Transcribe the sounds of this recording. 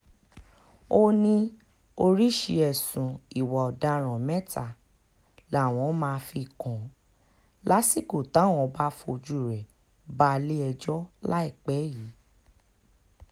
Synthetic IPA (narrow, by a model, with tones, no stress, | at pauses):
o˦nĩ˧ | o˧ɾi˦ʃi˧ɛ˨sũ˨i˨wɔ˨ɔ˨da˧ɾ̃ɔ̃˨mɛ̃˦ta˨ | lw̃ɔ̃˨˦mãː˧fi˧kɔ̃˨˦ | la˦si˦˨ko˨ta˨˦˨w̃ɔ̃˧ba˦fo˧d͡ʒu˦˨ɾɛ˨ | ba˦˧le˦ɛ˧d͡ʒɔ˦la˦i˦˨k͡pɛ˨˦ji˨˦